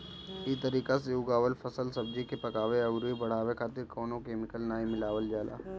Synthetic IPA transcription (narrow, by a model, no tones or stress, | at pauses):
iːt̪ɐɾiːkasejuːɡaːʋəlfɐsəlsɐb̚d͡ʒikepɐkaːʋeɐɡɾuibɐɽ̤aːʋekʰaːt̪ɪɾkɔːnõkeːmɪkəlnaːĩmɪlaːʋəld͡ʒaːla̰ː